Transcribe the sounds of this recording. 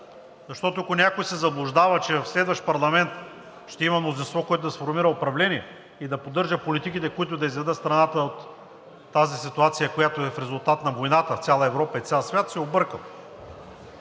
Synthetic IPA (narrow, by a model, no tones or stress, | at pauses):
zɐʃt̪ɔt̪oɐkonʲakojsɛzɐblˠʊʒd̪avət͡ʃɛvɐfslɛd̪vɐʃt̪pɐɾlˠɐmɛnt̪ | ʃt̪ɛimɐmnozinst̪vɔkoɛt̪ʊd̪ɐsfoɾmiɾəopɾɐvlɛniɛ | id̪ɐpod̪ːɤɾʒəpolit̪ikit̪ɛkoit̪ʊd̪ɐizvɛd̪ət̪st̪ɾɐnat̪əot̪ː | azisit̪ʊat̪sijəkojat̪oɛfɾɛzʊlˠt̪at̪nɐvojnat̪əft̪sʲalˠəɛvɾɔpɐit̪sʲalˠsvʲjat̪sɛobɤɾkəlˠ